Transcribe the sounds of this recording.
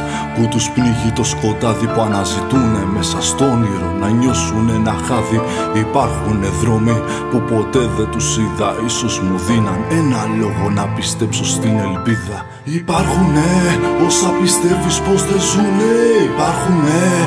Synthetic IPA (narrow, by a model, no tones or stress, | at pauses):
put̪uspniʝit̪o̞sko̞t̪ɐðipuɐnɐzit̪une̞me̞sɐst̪o̞niɾo̞nɐɲo̞sune̞nɐxɐði | ipɐɾxune̞ðɾo̞mi | pupo̞t̪e̞ðet̪usiðɐiso̞zmuðinɐne̞nɐlo̞ɣo̞nɐpist̪e̞pso̞st̪ine̞lpiðɐ | ipɐɾxuneo̞sɐpist̪e̞vispo̞zðe̞zuneipɐɾxune